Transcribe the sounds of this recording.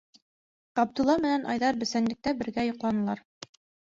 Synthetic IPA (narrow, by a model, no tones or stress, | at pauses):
qɑb̚d̪ulˠːɑmɘ̆nænʔɑ̰jðɑɾbɵ̆sænlɘ̆k̚t̪æbɘ̆ɾɡæjŏqlˠɑnɤ̆lˠɑɾ